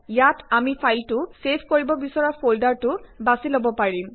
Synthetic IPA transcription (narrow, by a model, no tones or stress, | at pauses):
jatamipʰajltʊsepʰkoɹibɔbisɔɹapʰoldaɹtʊbasilobɔpaɹim